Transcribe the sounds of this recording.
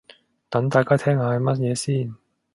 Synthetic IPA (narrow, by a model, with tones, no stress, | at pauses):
t̪ɐ˨˥ŋt̪aː˨˧jkaː˥t̪ʰɛː˥ŋhaː˧hɐ˨jmɐ˥t̚jɛː˨˧siː˥˩n